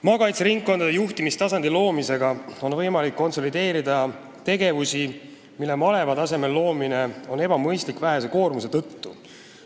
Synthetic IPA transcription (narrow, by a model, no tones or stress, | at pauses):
mɑːkɑjt̪seɾiŋkkːo̞nd̪ɑd̪ejuht̪imist̪ɑsɑnd̪̥ilo̞ːmise̞ɡ̥ɑo̞nvɤ̞jmɑlikːo̞nso̞lid̪e̞ːɾid̪ɑ | t̪e̞ɡ̥e̞vusi | milːe̞mɑle̞vɑd̪ɑse̞me̞lːo̞ːmine̞o̞ne̞b̥ɑmɤjst̪likːvæɦe̞se̞ko̞ːrmuse̞t̪ɤt̪ːu